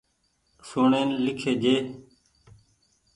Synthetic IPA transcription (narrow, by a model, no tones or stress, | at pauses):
suːɳeːnlɪkʰeːd͡ʒeː